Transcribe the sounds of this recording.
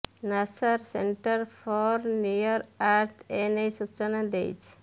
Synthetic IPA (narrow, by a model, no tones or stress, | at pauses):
nasaɾseɳʈaɾfʰɔɾnjujɔɾaɾt̪ʰenejsut͡ʃanad̪ejt͡ʃʰ